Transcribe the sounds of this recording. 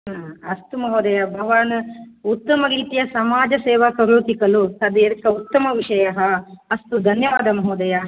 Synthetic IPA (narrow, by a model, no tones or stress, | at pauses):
ɐst̪umɐɦoːd̪ɐjɐbʱɐʋaːnut̪ːɐmɐɡiːt̪ijɐsɐmaːd͡ʒɐseːʋɐkɐɾut̪ikɐlut̪ɐd̪eɾkːɐut̪ːɐmɐʋiʂɐjɐɦɐɐst̪ud̪ʱɐnjɐʋaːd̪ɐmɐɦɐːd̪ɐja